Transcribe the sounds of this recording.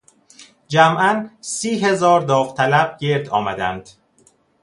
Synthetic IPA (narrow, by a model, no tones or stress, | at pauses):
d͡ʒæmʔænsiːɦe̞zɒːɾd̪ɒːft̪ʰælæb̚ɟe̞ɾd̪ɒːmæd̪æ̰nd̪̥